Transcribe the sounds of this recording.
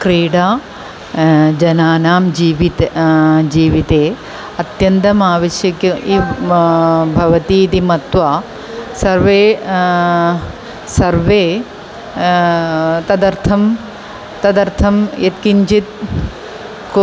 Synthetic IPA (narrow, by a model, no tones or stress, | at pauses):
kɾiːɽaː | d͡ʒɐnaːnaːmd͡ʒiːʋit̪d͡ʒiːʋit̪eː | ɐt̪jɐnt̪ɐmaːʋɐʃjɐkjuʔiː | bʱɐʋɐt̪it̪imɐt̪ʋaː | sɐɾʋeː | sɐɾʋeː | t̪ɐd̪ɐɾt̪ʰɐm | t̪ɐd̪ɐɾt̪ʰɐmjɐt̪kiɲt͡ʃit̪̚ | k